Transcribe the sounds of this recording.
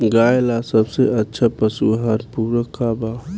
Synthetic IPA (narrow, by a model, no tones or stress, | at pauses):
ɡaːjlasəbseʔətːʃʰapəsuɦaɾpuːɾəkːaba